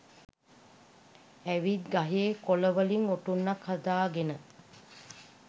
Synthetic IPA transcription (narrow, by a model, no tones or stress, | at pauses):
æʋid̪ɡaɦeːkoləʋəliŋoʈunːakhad̪aːɡenə